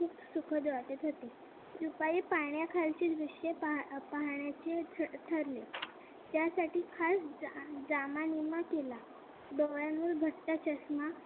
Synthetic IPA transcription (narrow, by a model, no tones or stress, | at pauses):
kʰuːpsukʰəd̪ʋaʈ̪et̪ɦot̪e | d̪upaiːpaɳjakʰalt͡ɕeːd̪ɾiʂeppaɦɳjat͡ɕetʰt̪ʰəɾle | t̪jasaʈiːkʰasd͡zamanimakela | b̪əʋɭjanuːlbʱəat͡ɕəsma